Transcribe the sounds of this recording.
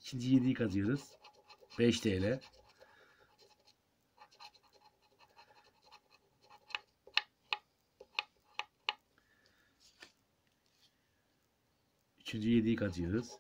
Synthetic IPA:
icʰind͡ʒyjed̪ijikʰazɯjoɾɯz̥ | b̥ɛʃt̪ejlʲɛ | yt͡ʃʰynd͡ʒyjed̪ijikʰaɯjo̞ɾuz̥

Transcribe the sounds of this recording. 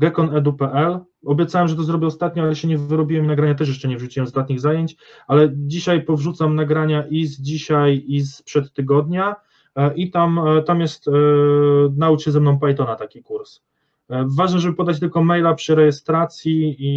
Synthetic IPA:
ɡɛkɔnɛd̪upɛʔɛl | ɔbʲjɛt̪sawɛmʐɛt̪ɔzɾɔbʲɛɔst̪at̪̚ɲɔalɛɕɛɲɛvɘɾɔbʲiwɛminaɡɾaɲat̪̬ɛʂ̬jɛʂt͡ʂɛɲɛvʐut͡ɕiwɛmzd̪at̪ɲiɣzajeɲt͡ɕ | alɛd͡ʑiɕajpɔvʐut̪samnaɡɾaɲaʔizd͡ʑiɕajispʂɛt̪ːɘɡɔd̪ɲa | ʔit̪amt̪amjɛst̪ | naut͡ɕɛzɛmnɔ̃w̃pajt̪ɔnat̪akʲikuɾs | vaʐnɛʐɛbɘpɔd̪at͡ɕt̪ɘlkɔmɛjlapʂɘɾɛjɛst̪ɾat̪sʲjii

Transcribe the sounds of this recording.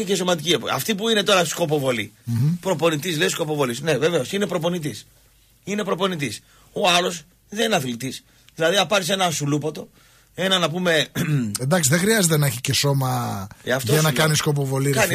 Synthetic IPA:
iceso̞mɐt̪̬icieɐ̰ft̪ipuine̞t̪o̞ɾɐsko̞p̬o̞vo̞lḭpɾo̞po̞nit̪islessko̞po̞vo̞lisne̞ve̞ve̞o̞sine̞pɾo̞po̞nit̪̬is | ine̞pɾo̞po̞nit̪̬is | o̞ɐlo̞s | ðenɐθlit̪is | ðilɐðiɐpɐɾis̬e̞nɐsulupot̪o̞ | e̞nɐnɐp̬ume̞end̪ɐksiðexɾiɐzet̪enɐeçiceso̞mɐeɐft̪oɐnɐkɐnisko̞p̬ovo̞likɐn

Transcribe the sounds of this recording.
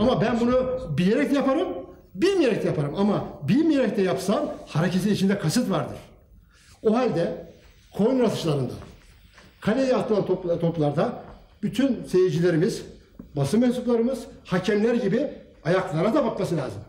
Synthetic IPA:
amabænbunubileɾɛc̪̚japʰaɾɯmbilʲmijeɾɛc̚t̪ɛjapʰaɾɯmamabilʲmije̞ɾɛc̚t̪ɛjapsanhaɾecʰeinit͡ʃʰind̪ɛkʰasɯt̪vaɾd̪ɯ̰ɾ̥ | oɦalʲd̪ɛ | kʰo̞jnɾat̪ʰɯ̥ʃlˠaɾɯnd̪a̰ | kʰalʲejɛat̪ɯlˠant̪ʰopt̪ʰo̞plˠaɾd̪a | b̥yt̪ʰynse̞jid͡ʒilʲe̞ɾimiz̥ | basɯmɛnsuplˠaɾɯmɯz̥hacʰɛmlʲæɾɟibi | ajaklˠaɾad̪abakmasɯlʲa̰ːzɯm

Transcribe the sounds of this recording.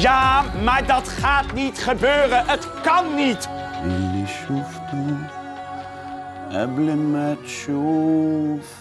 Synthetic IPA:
jaːmaːɹdɑtχaːtnitχəbøːrənʔətkɑnːitwilːiʃuftə | ɛbləmɛtʃo | f

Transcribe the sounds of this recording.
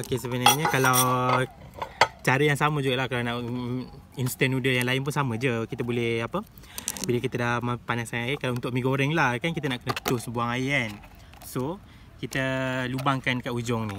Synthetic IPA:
okesəbənaɲəkalaw | t͡ʃaɾəjaŋsaməd͡ʒuɡaʔlahkalanaʔ | inst̪ɛnudəjaŋlaɪnp̬ʊnsamə̃d͡ʒəkit̪əbolɛhapə | biləkit̪ədahməpanasanaikalaunt̪ʊʔ̚miɡoɾɛŋlahkankit̪ənaʔkənət̪ʊsbuaŋajan | so | kit̪əlubaŋkankaʔud͡ʒɔŋni

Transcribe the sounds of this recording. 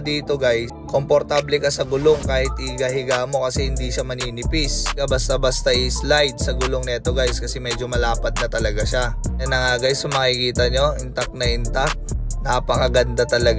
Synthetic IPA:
d̪iːt̪o̞ɡajskompoɾt̪ablɛkɐsɐɡʊloŋkaːhɪt̪̚ɪɡaɦɪɡaʔmo̞kɐsɛhɪnd̪iʃamɐniːnɪpɪskɐbɐst̪abɐst̪aʔɪslajd̪̚sɐɡʊloŋnɛʔɛt̪o̞ɡajskɐsɛmɛd͡ʒo̞mɐlaːpɐt̪̚nɐt̪ɐlɐɡaʃanɐnɐŋaːɡajsʊmɐkɪkiːt̪ɐɲːo̞ʔɪnt̪ak̚nɐʔɪnt̪ak̚napɐkɐɡɐnd̪at̪ɐlɐɡ

